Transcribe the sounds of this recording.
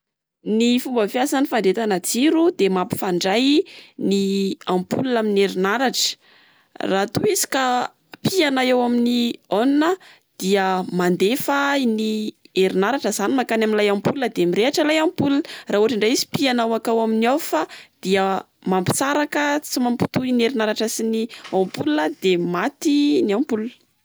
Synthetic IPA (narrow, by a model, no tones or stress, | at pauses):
nifumbəfjasanifaɳɖ͡ʐet̪anad͡ziɾud̪emampi̥faɳɖ͡ʐajniampulunaminieɾinaɾaʈ͡ʂə̥ | rat̪uizi̥ka | pianaewaminionunə | d̪̥iəmand̪efainieɾinaɾaʈ͡ʂəzanimakanaminlajampulunəd̪emiɾeaʈ͡ʂəlajampulunəraːɦuɦaʈ͡ʂiɳɖ͡ʐajizi̥pianawakawaminiawfad̪̥iə | mampi̥saɾakət͡simampi̥t̪uineɾinaɾaʈ͡ʂəsiniompulunəd̪emat̪iniampulun